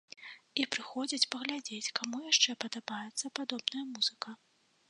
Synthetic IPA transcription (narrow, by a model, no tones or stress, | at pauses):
ipɾɨxɔd͡zʲit͡sʲpɐɣlʲad͡zʲet͡sʲkʰamujaʂt͡ʂɛpɐd̪abajɛt̪sːɐpad̪ɔbnɐjɐmuz̥ɨkɐ